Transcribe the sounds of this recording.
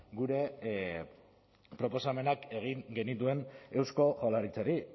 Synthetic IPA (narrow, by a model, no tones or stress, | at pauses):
ɡuɾe̞ | pɾo̞po̞same̞nake̞ɣ̞iŋɡe̞nit̪̬ue̞ne̞wsko̞ʝolaɾit͡saɾi